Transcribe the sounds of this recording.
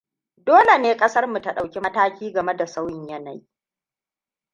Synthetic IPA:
doː˦le˨neː˦kʼɐ˦sɐ˦rmu˨ta˦ɗa˨wkʲi˦mɐ˦taː˦kʲiː˦ɡɐ˨me˦da˨sa˦wjɪ˦ɲjɐ˦na˨ji˦

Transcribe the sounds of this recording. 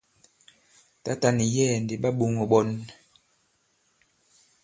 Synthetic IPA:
ta˦ta˦ni˨jɛ˦˨nde˨ɓa˦ɓu˦ŋɔ˨ɓɔ˦n

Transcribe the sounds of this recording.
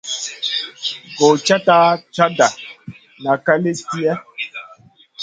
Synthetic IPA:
ɡo˨t͡ʃa˦ta˦t͡ʃa˦da˨ | na˨ka˦le˦ti˦ɛ˦

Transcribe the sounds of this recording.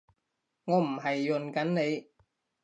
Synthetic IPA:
ŋɔː˨˧m̩˨˩ɦɐ˨jːɵ˨˩nkɐ˨˥nne˨˧j

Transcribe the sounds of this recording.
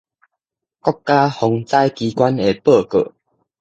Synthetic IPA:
kɔ˦kːa˦hɔ˨˧ŋt͡sa˦jki˧kwa˦ne˨˩pə˥˨kə̰˨˩˨

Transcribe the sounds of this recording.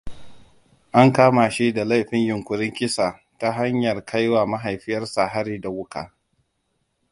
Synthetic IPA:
ʔa˦ŋkaː˦ma˨ʃi˦da˨la˦jɸɪ˦ɲjʊ˨ŋkʷʊ˨ɽɪ˦ŋkʲɪ˦sa˨ | ta˦ɦa˦ɲjɐ˨rkʰa˦jwaː˨ma˦ɦa˨jɸɪ˦jɐ˦rsa˨ɦa˦ɾiː˦da˨wʊ˦ka̰ː˨

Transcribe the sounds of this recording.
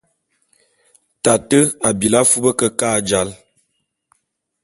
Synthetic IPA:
ta˨tə˦a˨bi˨la˦fu˦bə˦kə˦kaː˦˨d͡ʒa˨˦l

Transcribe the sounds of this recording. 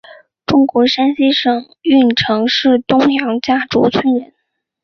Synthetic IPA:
ʈ͡ʂʊ˥ŋkwɔ˧˥ʂa˥nɕi˥ʂɤ˨˩ŋ | y˥˩nʈ͡ʂʰɤ˧˥ŋʂɻ̩˥˩t̪ʊ˥ŋjɑ˧˥ŋt͡ɕja˥˩ʈ͡ʂṵ˧˥t͡sʰwə˥nɻə˧˥n

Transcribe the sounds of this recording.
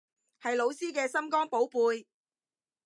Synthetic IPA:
hɐ˨jlo˨˧wsiː˥kɛː˧sɐ˥mkɔː˥ŋpo˨˥wpuː˨˧j

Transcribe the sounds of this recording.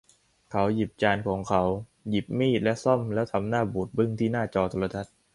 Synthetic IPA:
kʰa˩˦˥wji˨˩p̚t͡ɕaː˧nkʰɔː˩˦ŋkʰa˩˦˥w | ji˨˩p̚miː˥˩t̪̚lɛ˦˥ʔsɔ˥˩mlɛː˦˥wt̪ʰa˧mnaː˥˩buː˨˩t̪̚bɯ˥˩ŋt̪ʰiː˥˩naː˥˩t͡ɕɔː˧t̪ʰoː˧ɾa˧t̪ʰa˦˥t̪̚

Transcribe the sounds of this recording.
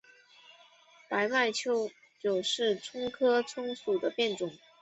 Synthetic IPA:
pa˧˥ɪma˥˩ɪt͡ɕʰjo˥ʊ | t͡ɕjo˨˩ʊʂɻ̩˥˩ʈ͡ʂʰʊ˥ŋkʰɤ˥ʈ͡ʂʰʊ˥ŋsu˨˩d̪ə˦pjɛ˥˩nʈ͡ʂʊ˨˩˦ŋ

